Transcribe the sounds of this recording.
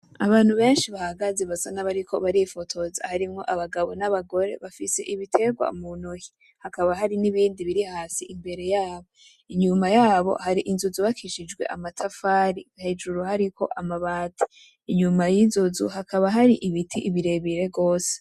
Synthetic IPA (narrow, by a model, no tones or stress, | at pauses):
aβaːnhuβe̞ːnʃiβahaɡaze̞βasanaβaɾikʰo̞̰βaɾifo̞tʰo̞za̰haɾimŋo̞̰ʔaβaɡaβo̞naβaɡo̞ɾeβafise̞̰ʔiβitʰe̞ɡwa̰munoji | hakaβaɦaɾiniβiːndiβiɾihaːsiʔimbe̞ɾe̞jaːβo̞ | iɲumajaːβo̞̰haɾiʔinzuzuβakʰiʃid͡ʒɡwe̞̰ʔa̰matʰafaːɾiɡ̥ahed͡ʒuɾuhaɾikʰo̞̰ʔamaβaːtʰi̥ | iɲumajizozṵhakʰaβaɦaɾiʔiβitʰiʔiβiɾe̞βiɾe̞ɡo̞ːse̥